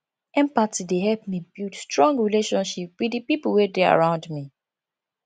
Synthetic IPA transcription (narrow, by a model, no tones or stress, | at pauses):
ɛ̃mpatideɦɛlpmibildstɹɔ̃ŋɡɹileʃɔ̃nʃip̚widipip̩wedea̰ɹãʊ̃ndmi